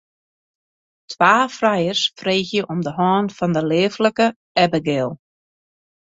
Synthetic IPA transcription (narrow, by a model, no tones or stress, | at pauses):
tʰwaːfrajərsfreːxjəʔɔmdəɦɔːnfɔndəleːfləkə | ɛbəɡɪːlˠ